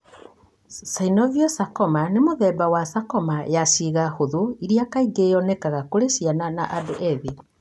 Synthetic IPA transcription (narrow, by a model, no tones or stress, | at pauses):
sainɔðiɔsakɔmanemoðɛːbawasakɔmajasiɣahoðoiɾiakaiɡejɔnɛkaɣakoɾesiananaʔadoʔɛβe